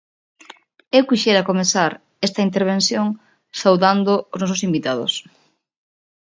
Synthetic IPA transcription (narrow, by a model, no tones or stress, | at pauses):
ewkiʃeɾɐkomeθaɾ | est̪ɐint̪̬eɾβ̞ẽnθjoŋ | sawðand̪ʊoznɔsosimbit̪að̞ʊ̰s